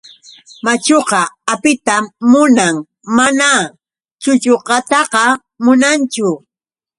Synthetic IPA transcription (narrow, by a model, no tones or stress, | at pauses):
mat͡ʃoqɑapɪt̪amːʊnaŋ | mana | t͡ʃʊt͡ʃoqɑt̪ɑqɑ | mʊnant͡ʃʊ